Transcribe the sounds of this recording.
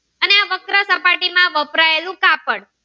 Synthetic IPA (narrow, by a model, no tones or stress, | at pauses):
əneaʋəkɾasəpaʈimãʋəpɾaelũkapəɽ